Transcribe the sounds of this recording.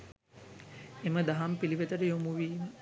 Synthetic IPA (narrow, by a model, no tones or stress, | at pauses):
eməd̪aɦampiliʋet̪əʈəjomuʋiːmə